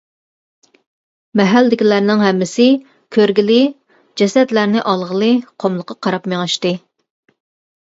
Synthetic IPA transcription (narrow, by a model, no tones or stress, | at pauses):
mɛɦælːd̪ɪkʲilæɾnɪŋɦɛmːɪsɪ | kʲʰøɾɡʲilɪ | d͡ʒɛsɛt̪læɾnɪʔɑlˠʁəlˠɨqʰomlˠəqʰːɑqʰɑɾɑpmeŋɑʃt̪ɨ